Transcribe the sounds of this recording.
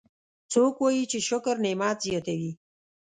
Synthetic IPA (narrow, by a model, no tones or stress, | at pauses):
t͡sokwajit͡ʃeʃʊkɾnemɑt̪zjɑt̪awi